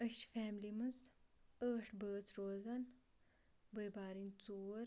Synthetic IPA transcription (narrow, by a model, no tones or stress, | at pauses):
əʃfɛːmlimɐzəːʈʰbəːt͡sɾoːzɐn | bəjbaːɾint͡soːɾ